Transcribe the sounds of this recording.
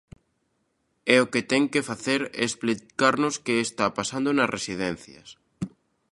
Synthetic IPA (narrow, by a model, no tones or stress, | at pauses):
ɛoket̪ɛŋkefaθeɾesplikaɾnoskeːst̪apasand̪onɐsrʔesiðɛn̟θjɐ̰s